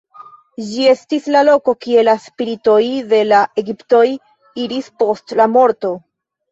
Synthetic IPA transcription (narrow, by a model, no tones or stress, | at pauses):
d͡ʒie̞stislalo̞ko̞kie̞laspiɾito̞jde̞laʔeɡipto̞j | iɾispo̞stlamo̞ɾto̞